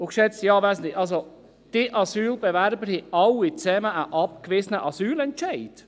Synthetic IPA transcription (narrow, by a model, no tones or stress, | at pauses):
ʊkʃɛt͡stjɑːʋɛɪsnlɪʔɑlzo | d̥ɪʔɑsyːlbɛvæɾbəɾhɛɑwit͡sɛməʔəʔɑp̚kvɪsənəʔɑsyːlɛntt͡ʃæɪd̥